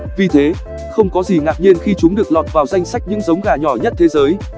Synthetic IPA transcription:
vi˨˩t̪ʰe˨˦ | xə˧wŋ͡mkɔ˨˦zi˨˩ŋa̰ː˨p̚ɲe˧nxi˧t͡ɕʊ˨˦ŋ͡mɗɨ˨˩ək̚lɔ˨˩t̚vaː˨˩wza˧jŋ̟sa˦˥jk̚ɲɨ̰˧˥ŋzə˨˦wŋ͡mɣaː˨˩ɲɔ˧˩ɲə˦˥t̚t̪ʰe˨˦zəː˨˦j

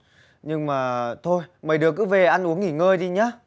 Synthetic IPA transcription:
ɲɨ˧ŋmaː˨˩t̪ʰo˧jməː˨˩jɗɨ˨˩əkːɨ˨˦ve˨˩ʔa˧nʔu˨˦əŋi˧˩ŋəː˧jɗi˧ɲaː˨˦

